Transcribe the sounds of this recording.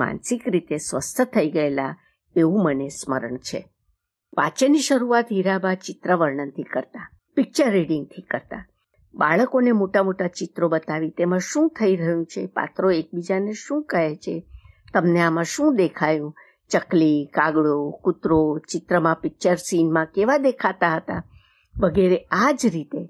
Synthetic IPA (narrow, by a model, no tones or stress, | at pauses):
ma̰nsikɾit̪esʋəst̪ʰət̪ʰəiɡəela | eũmənesmə̰ɾəɳt͡ʃʰḛ | ʋa̰t͡ʃeniʃəɾuat̪ɦiɾabat͡ʃɪt̪ɾəʋəɾɳənt̪ʰikəɾt̪a | pɪk̚t͡ʃəɾːeɽiŋɡ̚t̪ʰikəɾt̪a | ba̰ɭəkonemoʈamoʈat͡ʃɪt̪ɾobət̪aʋit̪emãʃũt̪ʰəiɾəɦjũt͡ʃʰepa̰t̪ɾoek̚bid͡ʒaneʃũkəɦet͡ʃʰe | t̪əmneamãʃũd̪ekʰajũ | t͡ʃəklikaɡɭokʊt̪ɾot͡ʃɪt̪ɾəmãpɪk̚t͡ʃəɾsinmãkeʋad̪ekʰat̪aɦət̪a | ʋəɡeɾead͡ʒɾit̪e